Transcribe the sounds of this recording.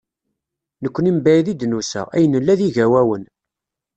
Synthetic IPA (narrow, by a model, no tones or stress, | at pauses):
nəkʷːənimbæjðid̪nusæ̰æjənəlːæðiʝæwæwən